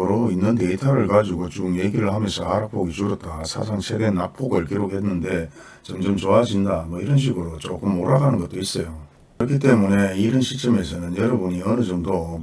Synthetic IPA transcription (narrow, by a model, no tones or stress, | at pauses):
ɯɾoinːɯnte̞itʰaɾɯɭkad͡ʑiɡot͡ɕuŋje̞ɡiɾɯɭhamjʌnsʰʌaɾak̚p͈ʰoɡit͡ɕuɾʌt̚t͈asʰa̰sʰaŋsʰe̞ɡe̞nap͈ʰoɡɯɭkiɾok̚he̞nːɯnde̞ | t͡ɕʌmd͡ʑʌmt͡ɕoad͡ʑindamʌiɾʌnɕ̬ʰiɡɯɾot͡ɕok͈ɯmːoɾaɡanɯnɡʌt͈̚ois͈ʌjo | kɯɾʌkʰit͈e̞mune̞iɾʌnɕʰik̚t͡ɕ͈ʌme̞sʰʌnɯnjʌɾʌbuɲiʌnɯd͡ʑʌmdo